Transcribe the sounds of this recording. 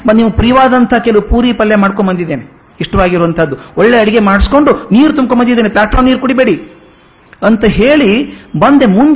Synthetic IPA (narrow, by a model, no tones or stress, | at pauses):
niːʋupɾiʋaːd̪ɐnt̪ʰɐkelɐupuːɾipɐlːjemaːɽkoɳbɐnd̪id̪ːeːne | iʂʈɐʋaːɡiɾɔːʋɐnt̪ʰɐd̪ːuɔɭːeɐɽiɡe̞maːɽsko̞ɳɖuniːɾut̪umb̚k̬ombɐnd̪id̪eːneplʲaːʈfaːɾmniːɾkuɽibe̞ːɽi | ɐnt̪ɐɦeːɭibɐnd̪e̞mund̪